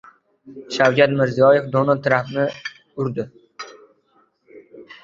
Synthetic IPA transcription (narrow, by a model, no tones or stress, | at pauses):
ʃawd͡ʒat̪mɪɾzijɒjɪfd̪onɒt̪ʰɾapnɪ | ʊɾd̪ɪ